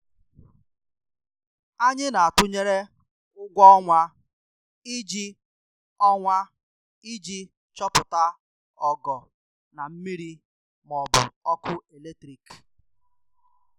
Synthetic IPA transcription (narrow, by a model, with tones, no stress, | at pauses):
a˦ɲɪ˦na˨a˨tʊ˦ɲe˦ɾe˦ | ʊ˦ɡʷɔ˦ɔ˦ŋʷa˦ | i˦d͡ʒi˦ | ɔ˦ŋʷa˦ | i˦d͡ʒi˦ | t͡ʃɔ˦pʊ˨ta˦ | ɔ˦ɡɔ˨ | na˨m̩˦mi˦ɾi˦ | m˨ɔ˨bʊ̰˨ɔ˦kʊ˦e˨le˦tɾi˨k